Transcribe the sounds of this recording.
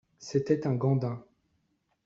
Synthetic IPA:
set̪ɛt̪ɛ̃ɡɑ̃d̪ɛ̃

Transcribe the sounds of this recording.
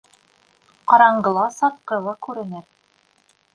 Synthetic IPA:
qɑɾɑɴɢɤ̆lˠɑsɑt̪̚qɤ̆lˠɑkʉɾɘ̆nɘɾ

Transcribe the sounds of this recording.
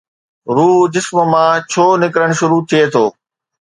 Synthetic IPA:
ɾuːd͡ʑɪsmmãːt͡ɕʰoːnɪkɾəɽ̃ʃʊɾut̪ʰiet̪ʰoː

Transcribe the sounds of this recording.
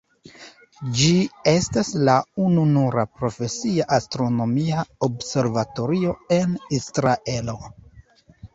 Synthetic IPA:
d͡ʒie̞staslaununuɾapɾo̞fe̞siaʔastɾo̞no̞miaobse̞ɾvato̞ɾio̞e̞nisɾaʔe̞lo̞

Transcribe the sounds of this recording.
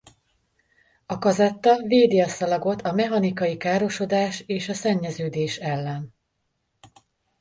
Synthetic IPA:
ɒkɒzɛt̪ːɒveːd̪iɒsɒlɒɡo̞t̪ʰɒmɛɦɒnikɒjikaːɾo̞ʃo̞d̪aːʃeːʃɒsɛɲːɛzøːd̪eːʃɛlːɛn

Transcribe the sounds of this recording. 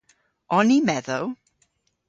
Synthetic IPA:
ɔnimɛðow

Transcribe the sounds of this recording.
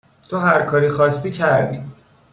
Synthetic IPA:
t̪ʰoɦæɾkʰɒːɾixɒːst̪iːcʰæɾd̪iː

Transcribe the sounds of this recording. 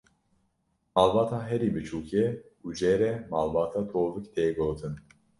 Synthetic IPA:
malbaːt̪ʰaɦɛɾibɨt͡ʃʰuːkʰɛud͡ʒɛːɾɛmalbɑːt̪ʰat̪ʰoːvɨkt̪ʰejɡoːt̪ʰɨn

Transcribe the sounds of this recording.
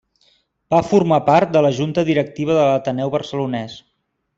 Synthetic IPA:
b̥afurmapaɾt̪̚d̪ələʒunt̪əðiɾək̚t̪iβ̞əðələt̪ənɛwβərsəlunɛs

